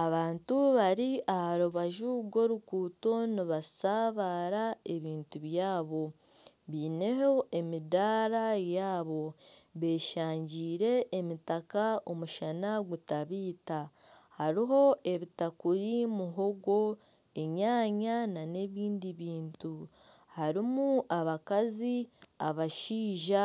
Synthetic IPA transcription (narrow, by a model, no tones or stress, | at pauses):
aβaːntuβaɾiʔahaɾuβaʒuɡo̞ɾukuːto̞niβasaːβaːɾae̞βiːntuβjaːβo̞ | βiːne̞ɦoe̞midaːɾajaːβo̞βe̞ːʃaːɲɟiːɾe̞ːmitakao̞muʃanaɡutaβiːta | haɾiɦo̞e̞βitakuɾimuɦo̞ɡo̞ | e̞ɲaːɲanane̞βiːndiβiːntu | haɾimuaβakaziaβaʃiːʒa